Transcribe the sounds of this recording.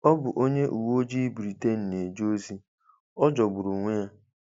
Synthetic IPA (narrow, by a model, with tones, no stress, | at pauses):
ɔ˦bʊ˨ʔo˦ɲe˦ʔu˨wo˦d͡ʒi˦bɾi˨te˦n̩˨ne˨d͡ʒo˦zi˦ | ɔ˦d͡ʒɔ˨ɡ͡bʊ˨ɾu˨ŋʷe˦ja˦